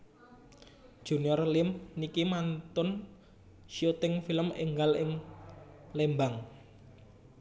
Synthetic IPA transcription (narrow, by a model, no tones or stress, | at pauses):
d̥ʒ̥ṳniɔrlɪmnikimant̪ʊn | ʃiot̪ɪŋfiləmɪŋɡalɪŋ | lembaŋ